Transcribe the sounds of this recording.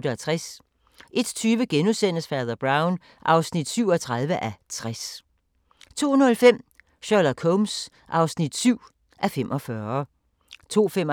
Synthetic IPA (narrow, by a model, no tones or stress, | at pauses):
dəæt͡sʰʁas | ʔe̝d̥t͡sʰyːʋəɡ̥enusen̰əsfæɐðˠɐb̥ʁɑ̈ʊn | ʔɑ̈ʊsnid̥syʊ̰ɒt͡sʰʁɑ̈ðˠʋəʔæt͡sʰʁas | t͡sʰo̝̰ːnlfem̰ | ɕɒlɐkʰɔms | ʔɑ̈ʊsnid̥syʊ̰ | ʔæfem̰ʔɒ̽fɶɐ | t͡sʰo̝̰ːfem